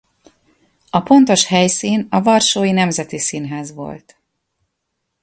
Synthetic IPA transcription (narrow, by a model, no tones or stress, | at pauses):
ɒpo̞nt̪o̞ʃhɛjsiːnɒvɒrʃoːjinɛmzɛt̪isiːnɦɛzʋo̞̰lt̪